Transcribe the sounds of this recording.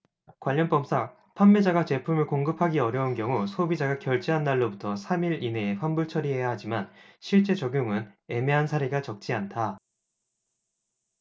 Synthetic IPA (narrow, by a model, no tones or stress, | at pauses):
kwaʎːʌnp͈ʌms͈ʰa | pʰanːed͡ʑaɡat͡ɕe̞pʰumɯɭkoŋɡɯpʰaɡiʌɾjʌunkjʌŋusʰobid͡ʑaɡakjʌɭt͡ɕ͈iɦanːaɭːobutʰʌsʰamiɾine̞ːpʰambuɭt͡ɕʰʌɾiɦe̞jaɦad͡ʑimanɕʰiɭt͡ɕ͈e̞t͡ɕʌɡjoŋɯne̞meɦansʰaɾiɡat͡ɕʌk̚t͡ɕ͈iantʰa